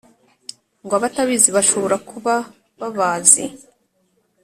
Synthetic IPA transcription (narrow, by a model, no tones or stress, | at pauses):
ŋɡwaβataβiziβaʃo̞βo̞ɾakuβa | βaβaːzḭ